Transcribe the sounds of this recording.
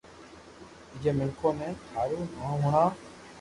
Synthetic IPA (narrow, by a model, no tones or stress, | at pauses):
ɪd͡ʒeːmɪlkʰõːmẽːt̪ʰaːɾuːnãːɦʊːɳaː